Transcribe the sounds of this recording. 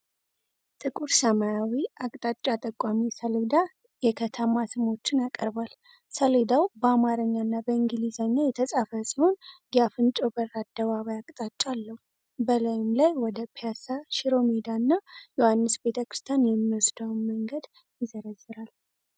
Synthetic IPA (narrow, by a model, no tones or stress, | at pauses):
t̪ʼɨkʼuɾsəmajawiakʼt̪ʼat͡ʃʼːat̪ʼəkʼːamisəled̪a | jɛkʰət̪ʰəmasɨmo̞t͡ʃːɪnakʼəɾbal | səled̪awbəamaɾəɲːanːabəiŋɡɨlizaɲːajɛt̪ʰəsʼafəsiho̞nɡafɨnt͡ʃʼobərad̪̥ːəβaβajakʼt̪ʼat͡ʃʼːalːəhu | bəlajɪmlajwɔd̪əpʰejasaʃiɾo̞med̪anːajohanːɨsbe̞t̪ʰəkɾɨst̪ʰjanjɛmːiwosd̪awnməŋɡəd̪ | jɪzəɾəzːɨɾal